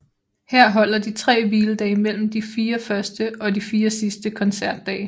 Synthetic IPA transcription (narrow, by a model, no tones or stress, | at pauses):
heɐ̰ɦɒ̽l̰ɐd̥it͡sʰʁɛ̰ːʋiːləd̥ɛːɪmel̰m̩d̥ifiːɐfɶɐsd̥əʔɒ̽difiːɐsisd̥əkʰɒ̽nsæɐ̰d̥ːɛ̰ː